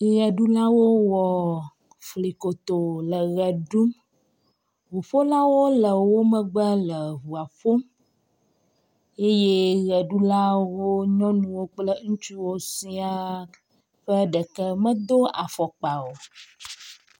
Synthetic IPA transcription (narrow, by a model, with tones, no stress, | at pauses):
i˨ɣɛ˨ɖu˦la˦wo˦wɔ˨ | fli˨ko˨t̪o˨lə˨ɣɛ˨ɖu˦m | wu˨ɸo˦la˦wo˦lə˨wo˦mə̃˦ɡ͡bə˦lə˨βu˨a˨fo˦m | e˦je˦ɣɛ˨ɖu˦la˦wo˦ɲɔ̃˦nũ˨wo˦k͡plə˦ŋũ˦t͡ʃu˦wo˦si˦a˦ | ɸə˦ɖə˨kə˦mə̃˦d̪o˦a˨fɔ˨k͡pa˨wo˨